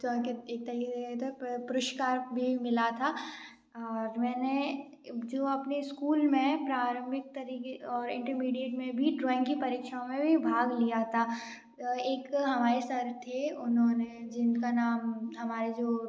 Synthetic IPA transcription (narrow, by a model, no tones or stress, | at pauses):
t̪ɔkeeːk̚t̪ɐɾiːket̪ʰopʊɾʊʃkaːɾbʱimɪlat̪ʰa | ɔːɾmɛ̃ːne | d͡ʒoːɐpneskuːlmẽpɾaːɾə̃mbʱɪk̚t̪ɐɾiːkeɔːɾɪ̰̃ɳʈəɾmiːɖijeʈmẽbʱiɖɾɔːɪ̃ŋɡkipɐɾiːkʃaõmẽbʱibʱaːɡlijat̪ʰaː | eːkɦɐmaːɾesɐɾt̪ʰeʊnɦõned͡ʒɪnkanaːmɦɐmaːɾed͡ʒoː